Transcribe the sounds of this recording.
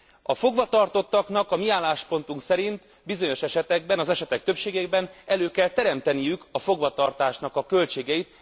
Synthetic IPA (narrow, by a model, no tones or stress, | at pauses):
ɒfo̞ɡʋɒt̪ɒrt̪o̞t̪ːɒknɒkɒmiaːlːaːʃpo̞nt̪uŋksɛɾint̪ | bizo̞ɲo̞ʃɛʃɛt̪ɛɡbɛnɒzɛʃɛt̪ɛk̚t̪øpʃeːɡebɛnɛløːkɛlt̪ɛɾɛmt̪ɛnijykɒfo̞ɡʋɒt̪ɒrt̪aːʃnɒkɒkːø̞lt͡ʃeːɡɛjit̪